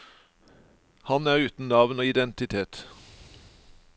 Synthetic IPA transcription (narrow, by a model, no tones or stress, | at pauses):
hɑnæːʁʉːt̪n̩nɑʋnoːɪd̪ɛnt̪ɪt̪ʰeːt̪